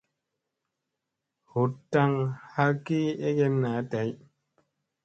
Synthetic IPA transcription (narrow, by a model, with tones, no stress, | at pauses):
hu˨ta˦ŋha˦ki˦e˦kɛ˦mna˨˦ta˨˦j